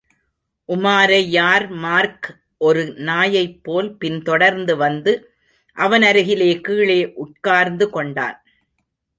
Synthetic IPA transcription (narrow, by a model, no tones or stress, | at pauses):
ʔʊmaːɾɐɪjaːɾmaːɾk | ʔɔɾɯnaːjɐɪpːoːlpɪnt̪ɔɽɐɾnd̪ɯʋɐnd̪ɯ | ʔɐʋɐnɐɾɯɣɪleːkiːɭeːʔʊʈ̚kaːɾnd̪ɯkɔɳɖa̰ːn